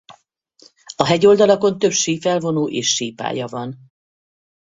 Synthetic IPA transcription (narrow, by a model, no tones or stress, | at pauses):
ɒɦɛɟo̞ld̪ɒlɒko̞nt̪ø̞pʃiːfɛlvo̞noːʔeːʃːiːpa̰ːjɒvɒn